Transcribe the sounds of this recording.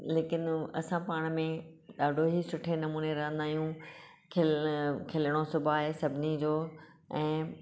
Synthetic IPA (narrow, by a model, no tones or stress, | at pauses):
leːkɪnɐ̰sãpaːɽ̃mẽɗaːɖʱoɦisʊʈʰenɐmuːneɾɐɦə̃nd̪aːijũ | kʰɪkʰɪləɽ̃osʊbʱaːɦesɐbʱɪnid͡ʑoː | ɛ̃ː